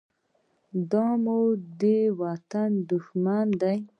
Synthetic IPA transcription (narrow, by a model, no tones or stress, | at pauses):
d̪ɑmud̪ewat̪and̪ʊʃmand̪aj